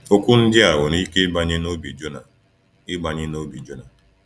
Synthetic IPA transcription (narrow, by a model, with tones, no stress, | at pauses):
o˦kʷʊ˦n̩˦dɪ˦a˨wʊ˨ni˦ke˦ba˦ɲɪ˦no˦bi˨d͡ʒo˦na˨ | ɪ˦ba˨ɲɪ˦no˦bi˨d͡ʒo˦na˨